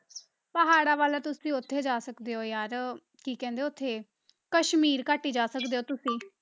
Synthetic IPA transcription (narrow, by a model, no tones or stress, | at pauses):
pəɦaːɽaːʋaːlaːt̪ʊsĩːʊt̪ʰːeːd͡ʒaːsəkd̪eːoːjaːɾ | kiːkɛ̃ːnd̪eːʊt̪ʰːeː | kəʃmiːɾkaːʈiːd͡ʒaːsəkd̪eːoːt̪ʊsĩː